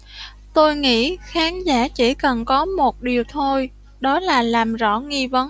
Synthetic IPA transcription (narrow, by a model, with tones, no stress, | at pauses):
t̪o˧jŋḭ˧˥xaː˨˦nzaː˧˥t͡ɕi˧˩kə˨˩nkɔ˨˦mo˨˩t̚ɗi˨˩əwt̪ʰo˧j | ɗɔ˨˦laː˨˩laː˨˩mzɔ̰˧˥ŋi˧və˨˦